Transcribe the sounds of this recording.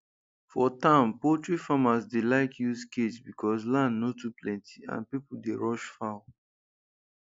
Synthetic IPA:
fɔtãmpotɹifamasdelaɪkjusketbikʰɔslãndnotuplɛ̃ntʰi̥ã̰npipudeɹɔʃfaʊ

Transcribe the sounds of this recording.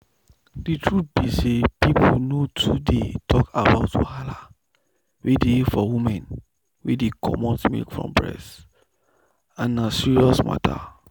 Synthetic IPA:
ditʰɹut̪̚b̥isepipʰunotʰudetʰɔkabaʊtṵhala | wedeifɔwimɛ̃n | wedekʰɔ̰mɔ̃nsmḭlkfɹɔ̰̃mpɹɛ̰s | ãnːasiɹiɔsma̰tʰa̰

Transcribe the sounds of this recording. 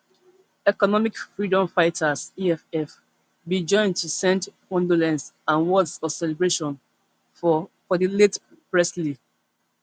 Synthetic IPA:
ɛkɔnɔmikfɹidɔ̃mfaɪtʰasiɛfɛf | bid͡ʒɔ̃ɪ̃ntusɛ̃nt | ɔ̃ndolɛ̃nsãnwɔdsɔsɛlebɹeʃɔ̃n | fɔdilet | pɹɛsli

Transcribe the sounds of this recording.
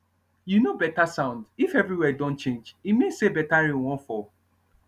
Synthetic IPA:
junobɛtasãʊ̃ndifɛvɹiwɛdõnt͡ʃẽnd͡ʒimẽsebɛtaɹĩwɔ̃nfɔ

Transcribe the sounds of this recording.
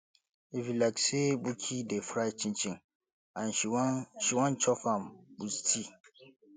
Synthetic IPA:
efilaksebukʰidefɾat͡ʃʰĩnt͡ʃʰĩn | ãn̩iʃiwãnt͡ʃʰɔfãmbustʰi

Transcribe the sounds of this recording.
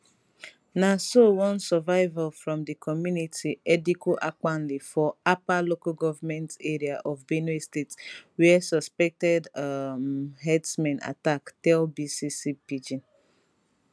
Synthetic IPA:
nasowɔ̃nsɔvaɪvalfɾɔ̃mdəkʰɔmjunitʰiedikuʔak͡pan̩lifɔapalokoɡɔvamɛ̃nteɾiaʔɔvbenistetswɛsɔspɛk̚tɛd | ɦɛdsmɛ̃na̰taktɛlbisisipid͡ʒin

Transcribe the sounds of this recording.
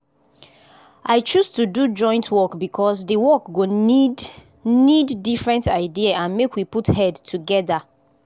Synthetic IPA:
ʔaɪt͡ʃustudud͡ʒɔ̃ɪ̃ntʰwɔkbikʰɔsdəwɔkɡod | nidːifɹɛ̃ntaɪdiaãnmekwiputhɛdtʰuɡɛða

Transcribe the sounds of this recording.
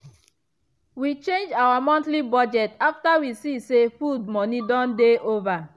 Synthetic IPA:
wit͡ʃẽnd͡ʒawamɔ̃ntlibɔd͡ʒɛtaftawisisefud̚mɔnidɔ̃ndeʔova

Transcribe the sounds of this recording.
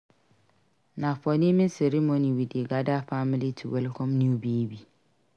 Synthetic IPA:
nãfɔnɪ̃mɪ̃sɛɾimõnĩwideɡadafamlitʰuwɛlkʰɔ̃mnĩbibi

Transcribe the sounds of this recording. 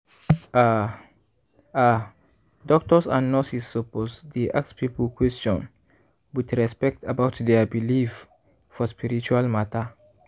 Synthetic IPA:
a | a | dɔk̚tɔsãnːɔsisːoposdeʔa̰kspʰipəlkʰwɛstɔ̃n | bitɹɛspɛk̚tʰabaʊtdɛbilif | fɔspiɹit͡ʃualmatʰa

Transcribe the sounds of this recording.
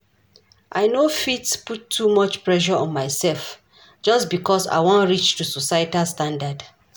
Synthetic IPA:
ʔa̰ɪnofitputʰːumɔt͡ʃpɹɛʃ̬ɔɔ̃nmaɪsɛlf | d͡ʒɔsbikɔsa̰ɪwɔ̃ntɹit͡ʃtusosajtalstãndad

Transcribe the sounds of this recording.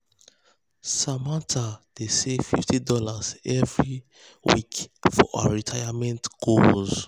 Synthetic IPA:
samatʰad̥esefiftidɔlazɛvɹi | wḭkfɔ̰ʔaaɹitʰaɪjamɛ̃ntɡ̥olz

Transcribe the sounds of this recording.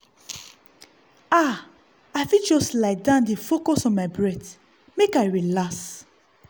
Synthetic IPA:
a | aɪfid͡ʒɔstlaɪdãndefokɔsɔ̃nmaɪbɹɛt | mekaɪɹilas

